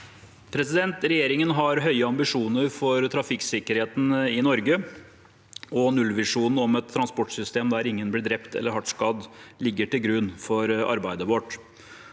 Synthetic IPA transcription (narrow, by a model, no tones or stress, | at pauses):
pʰɾɛsɪd̪ɛnt̪ɾɛjeːɾɪŋənɦɑɾɦœʏəɑmbɪʂuːnəɾfɔɾt̪ʰɾɑfɪksɪkəɾheːt̪n̩ɪnɔɾɡə | ɔnʉlʋɪʂuːnn̩ɔmɛt̪ʰːɾɑnspɔʈsʏst̪eːmd̪æɾɪŋːənblɪɖɾɛpt̪ɛ̰lːəɾhɑʈʂkɑd̪lɪɡːəʈɪlɡɾʉnfɔɾɑ̰ɾbæɪd̪əʋoːʈ